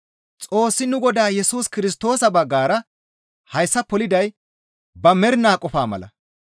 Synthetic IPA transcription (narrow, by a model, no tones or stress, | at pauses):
t͡sʼo̞ːsːɪnʊɡɔd̪aːjɛsuːskɪɾɪs̬t̪o̞ːsɐbɐɡːaːɾɐ | hɐjsːɐpːɔlɪd̪ɐj | bɐmɛɾnaːkʼɔfaːmɐ̰lɐ̰